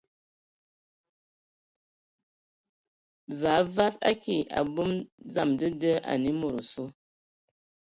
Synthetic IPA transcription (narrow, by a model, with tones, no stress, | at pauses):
va˨˦va˦sa̰˦ki˨ʔa̰˨bu˦md͡za˦˨mdɨ˦də˦ʔa̰˨ni˦mo˨ɾu˨su˦